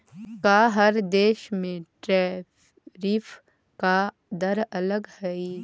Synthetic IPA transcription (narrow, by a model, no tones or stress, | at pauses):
kaɦəɾd̪eːʃmẽʈɾɛ | ɾif | ka | d̪əɾɐləɡhɛi